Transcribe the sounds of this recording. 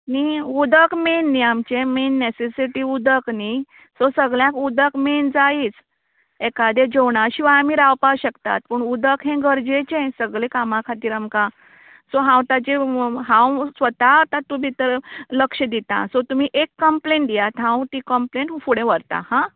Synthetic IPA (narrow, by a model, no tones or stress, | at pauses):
niud̪ʱəkmenːiamt͡ɕemenːesesiʈiud̪ʱəkni | sosəɡljãkud̪əkmend͡zait͡s | ekad̪ed͡ʑɔwɳaɕiʋaːmiɾawpawɕəkt̪a̰t̪̚puɳud̪əkɦẽɡəɾd͡ʑet͡ɕẽsəɡlẽkamãkʰat̪iːɾamkã | soɦãwt̪at͡ɕeɦãwsʋət̪at̪ãt̪ũbʱit̪əɾləkʂəd̪it̪ã̰sɔt̪um̤iʔekːəmpleɳʈd̪ijat̪ɦãwt̪ikəmpleɳʈfuɽẽʋəɾt̪ã̰hã